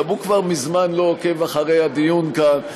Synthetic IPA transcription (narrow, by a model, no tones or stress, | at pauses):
abukvaʁmizmanlo̞oke̞vaχaʁe̞jad̪ijunkan